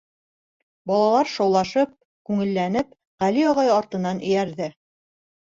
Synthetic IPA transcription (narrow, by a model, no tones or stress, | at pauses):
bɑlˠɑlˠɑɾʃɑwlˠɑʃɤp̚ | kʉŋɘ̆lːænɘp̚ | ʁælijɒʁɑjɑɾt̪ɤ̆nːɑnʔɘ̰̆jæɾðɘ